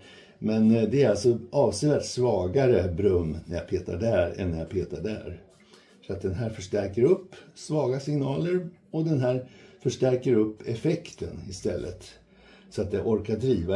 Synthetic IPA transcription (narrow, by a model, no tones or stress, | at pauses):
mɛnd̪ɛæɾaltsɔʔɑːvsɛat̪svɑːɡaɾəbɾɵmːnæɾja̰pʰeːt̪a̰ɖæɾɛ̰nːɛɾjapʰeːt̪aɖæ̰ːɾ | sɔat̪̚d̪ɛnɦæːɾfœʂʈæɾkəɾɵpːsvɑːɡasɪŋnɑːləɾɔd̪ɛnɦæːɾfœʂʈæɾkəɾɵpːɛfɛkt̪ʰənɪst̪ɛ̰lːʔə̰t̪ | sɔat̪jaʔɔɾkad̪ɾiːva